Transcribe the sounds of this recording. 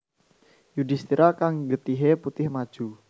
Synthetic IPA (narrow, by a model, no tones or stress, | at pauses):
judist̪iɾakaŋɡət̪iɦeput̪ɪhmad̥ʒ̥u